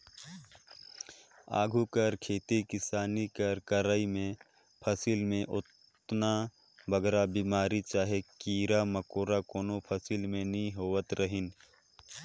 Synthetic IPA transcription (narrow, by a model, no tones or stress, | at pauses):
a̰ːɡʱukəɾkʰeːt̪ikɪsaːnikəɾkəɾəimẽ | pʰəsiːlmẽʔʊt̪ | na | bəɡɾabimaːɾit͡ʃaːɦekiːɾaməkoːɾakoːnopʰəsilmẽnəɦĩɦoːwət̪ɾəɦɪn